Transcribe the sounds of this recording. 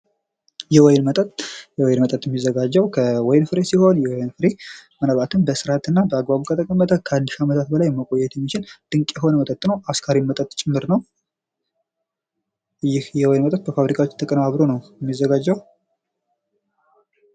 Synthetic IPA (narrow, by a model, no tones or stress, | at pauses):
jɛwɔjnmət̪ʼət̪jɛwɔjnmət̪ʼət̪jɛmːizːəɡad͡ʒːəwkʰəwɔjnfɨɾesiho̞njɛwjnfɨɾemənəβat̪ʰɨnbəsɨɾat̪ɨnːabəaɡbaβukʰət̪ʰəkʼəmːət̪ʰəkʰalːɨʃamət̪ʰat̪̚bəlajɛmːəkʼo̞jːɛt̪jɛmːit͡ʃʰɪld̪̥ɨŋkʼjɛɦo̞nəmət̪ʼət̪ʼːɨnəwʔaskʰaɾimːət̪ʼət̪t͡ʃʼɪmːɨɾnəw | jːɪhjɛwɔjnmət̪ʼət̪̚bəfaβɾikʰawot͡ʃːt̪ʰəkʼənaβɾo̞nəwjɛmːizːəɡad͡ʒːəw